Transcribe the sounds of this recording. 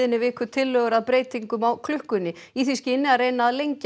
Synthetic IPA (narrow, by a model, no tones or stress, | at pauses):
ɪnːɪvɪːkʏt̪ʰɪlːœɣʏɾaðpɾeːjt̪iŋkʏmawkʰlʏhkʏnːɪiːθiscɪɪnːɪarejnaːðlejɲc